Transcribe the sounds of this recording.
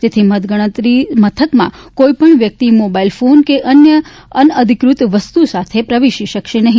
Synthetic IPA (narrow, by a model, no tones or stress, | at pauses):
t̪et̪ʰimət̪ɡəɽ̃ət̪ɾimət̪ʰəkmã̰koipəɳʋjək̚t̪imobailfonkeʔənjə | ənəd̪ʱikɾut̪ʋəst̪usat̪ʰepɾəʋiʃiʃəkʃenəɦĩ